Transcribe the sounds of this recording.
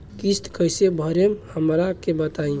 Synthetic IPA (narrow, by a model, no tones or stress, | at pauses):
kist̪kəjsebʱəɾemhəmɾakebət̪aĩ